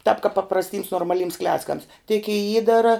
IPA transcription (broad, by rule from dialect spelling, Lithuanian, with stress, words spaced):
tɑːp kɐp pɐprɐsʲˈtʲiːms noːrmɐˈlʲiːms ˈklʲæːt͡skɐms tʲɪk ɪ ˈiːdɐrɐ